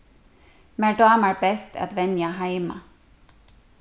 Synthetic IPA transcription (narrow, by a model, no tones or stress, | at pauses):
mæɖoɑːmæːɹbɛst̪ʰæ̰t̪ʋɛnjaɦæɪmɑ̰